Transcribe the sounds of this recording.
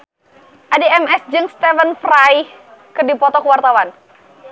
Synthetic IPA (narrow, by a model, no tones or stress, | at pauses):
ʔadɛɛmɛsd͡ʒɨŋst̪ɛfənfrajkɨrdipɔt̪ɔkəwart̪awan